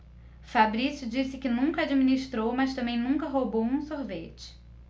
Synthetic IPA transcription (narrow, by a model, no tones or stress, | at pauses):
fabɾisjʊd͡ʒisɪkɪnũŋkɐad͡ʒiminiʃt̪ɾowmɐst̪ɐ̃mbẽj̃nũŋkɐɦobowũsoɾvet͡ʃɪ̥